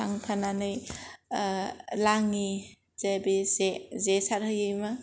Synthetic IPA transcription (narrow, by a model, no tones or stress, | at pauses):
aŋkʰananɯj | laŋi | z̥ebezezesaɾhɯjima